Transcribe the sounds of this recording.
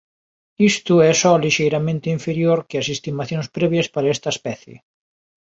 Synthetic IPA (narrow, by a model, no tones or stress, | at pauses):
ist̪ʊɛsɔliʃejɾamẽnt̪ɪiɱfeɾjoɾkɪasest̪imaθjõŋspɾɛβ̞jɐspaɾɐest̪ɐespɛθjɪ̰